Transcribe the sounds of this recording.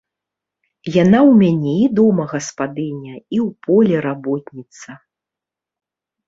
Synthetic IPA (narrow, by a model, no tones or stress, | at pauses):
janawmʲanʲɛid̪ɔmɐɣɐspad̪ɨnʲɐiwpʰɔlʲɛɾabɔt̪̚ʲnʲit̪sɐ